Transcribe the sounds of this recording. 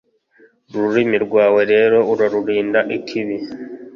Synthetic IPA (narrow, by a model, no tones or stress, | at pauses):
ɾuɾimiɾɡwaːwe̞ɾe̞ːɾo̞uɾaɾuɾiːndaʔikʰiβi